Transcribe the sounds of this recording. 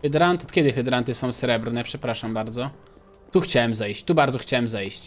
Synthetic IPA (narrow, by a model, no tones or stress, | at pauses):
ɨd̪ɾant̪t̪kʲɛd̪ɘxɘd̪ɾant̪ɘsɔ̃w̃sɾɛbɾnɛpʂɛpɾaʂambaɾd̪zɔ | t̪uxt͡ɕawɛmzɛjɕt͡ɕt̪ubaɾd̪zɔxt͡ɕawɛmzɛjɕt͡ɕ